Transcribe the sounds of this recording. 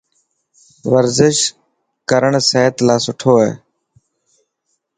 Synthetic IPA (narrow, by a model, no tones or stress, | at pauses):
ʋəɾzɪʃ | kəɾəɳseːət̪laːsʊʈʰoːɦɛ̰ː